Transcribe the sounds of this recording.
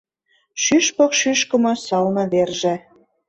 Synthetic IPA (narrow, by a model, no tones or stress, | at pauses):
ʃyʃpokʃyʃkə̆mɤ̆sɑlnɤ̆βerʒĕ